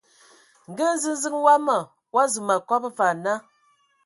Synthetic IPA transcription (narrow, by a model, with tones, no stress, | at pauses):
ŋ̩˨ɡə˦n̩˦zɨ˦n˦zɨ˦ŋ˦wa˦ma˨ | wa˦zu˨ma˨kɔ˦pfa˨na˦